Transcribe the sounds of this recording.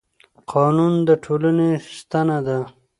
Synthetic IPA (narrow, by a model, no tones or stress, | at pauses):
qʰɑːnund̪əʈʰolənest̪anad̪a